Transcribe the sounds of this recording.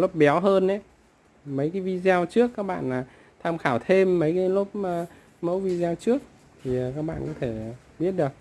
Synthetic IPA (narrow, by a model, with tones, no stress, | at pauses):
lo˦˥p̚ɓɛ˨˦wɦəː˧nʔa˨˦ | mə˨˦jkaː˨˦jvi˧zɛ˧wt͡ɕɨ˦˥əkːaː˦˥k̚ɓa̰ː˧˨naː˨˩ | t̪ʰaː˧mxaː˧˩wt̪ʰe˧mːə˨˦jkaː˨˦jlʊ˦˥p̚ː | mə̰˧˥wvi˧zɛ˧wt͡ɕɨ˦˥ək̚ | t̪ʰi˨˩˨kaː˦˥k̚ɓa̰ː˧˨nkɔ˨˦t̪ʰe˧˩˨ | ɓi˦˥ət̚ɗɨ˨˩ək̚